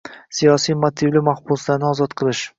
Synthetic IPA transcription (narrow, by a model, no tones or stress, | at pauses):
sijɒsijmot̪ʰɪvlɪmaχbʊslaɾnɪɒzɒt̪qʰɨlˠɪʃ